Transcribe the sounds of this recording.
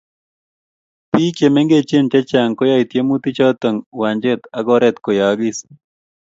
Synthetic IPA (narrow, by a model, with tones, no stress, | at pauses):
pi˦ke˨me˦ŋɡe˦t͡ʃe˦nt͡ʃɛ˦t͡ʃa˨ŋkɔ˦ja˦˨i˨t̪je˦mu˦t̪i˦t͡ʃɔ˦t̪ə˨ŋwa˨ɲd͡ʒɪ˦t̪a˨ɡɔɾɛ˦t̪ko˨ja˨ɡɪ˦s